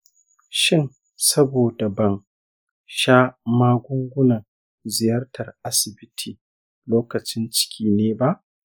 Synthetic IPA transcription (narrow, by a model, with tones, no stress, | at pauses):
ʃɪ˦n | sɐ˦boː˨da˨bɐ˨ŋ | ʃaː˦maː˦ɡʷʊ˦ŋɡʷʊ˦nɐ˨ | zɪ˨jɐ˦rtɐ˨rʔa˦sɪ˨bɪ˦tʰiː˨ | loː˦kɐ˨t͡ʃɪ˦nt͡ʃɪ̥˦kʲʰiː˦neː˦ba˦ʔ